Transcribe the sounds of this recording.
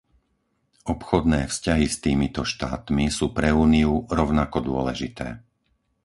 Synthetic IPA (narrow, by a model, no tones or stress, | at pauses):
ʔɔpxɔd̪nɛːfscaɦist̪iːmit̪ɔʃt̪a̰ːt̪misuːpɾɛuːniuɾɔʊnakɔd̪ʊɔlɛʒit̪ɛ̰ː